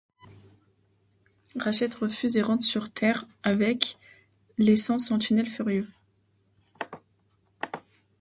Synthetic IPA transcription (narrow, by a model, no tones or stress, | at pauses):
ʁaʃɛt̪ʁəfyzeʁɑ̃t̪syʁt̪ʰɛʁ | avɛk | lesɑ̃sɑ̃t̪ʰynɛlfyʁjø